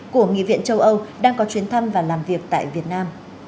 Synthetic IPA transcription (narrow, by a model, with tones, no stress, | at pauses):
ku˧˩əŋḭ˧˨vḭ˧˨ənt͡ɕə˧wʔə˧wɗaː˧ŋkɔ˨˦t͡ɕwi˨˦ənt̪ʰə˧mvaː˨˩laː˨˩mvi˨˩ək̚t̪a̰ː˧˨jvi˨˩ət̚naː˧m